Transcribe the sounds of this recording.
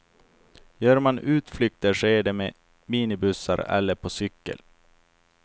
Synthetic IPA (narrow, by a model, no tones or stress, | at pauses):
jœːɾmanʉ̟ːt̪flʏk̚t̪əʂɛɖɛme | miːnɪbɵsːa̰ɾɛ̰lːəɾpʰɔsʏkːə̰l